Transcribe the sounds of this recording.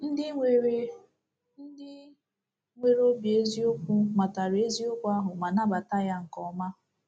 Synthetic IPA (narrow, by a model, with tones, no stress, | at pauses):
n̩˦dɪ˦e˨ɾe˦ | n̩˦dɪ˦ | ŋʷe˦ɾo˦bi˨e˦zi˦ʊ˦kʷʊ˦ma˨ta˨ɾe˦zi˦ʊ˦kʷa˦ɦʊ˨ma˨na˦ba˨ta˦ja˦ŋ̩˨kɔ˨˦ma˦